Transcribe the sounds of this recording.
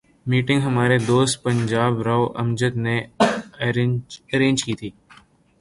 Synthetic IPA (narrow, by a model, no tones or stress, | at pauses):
miːʈɪ̃ŋɡɦɐmaːɾed̪oːst̪̚pɐ̃ɲd͡ʒaːbɾaoʔɐmd͡ʒət̪ne | ɐɾẽːɲd͡ʒkiːt̪ʰiː